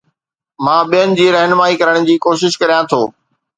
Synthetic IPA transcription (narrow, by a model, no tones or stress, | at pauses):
mãːɓijənɪ̆d͡ʑiːɾɛɦnmaːikɐɾəɽ̃ʊ̆d͡ʑiːkoːʃɪʃkɐɾijãt̪ʰoː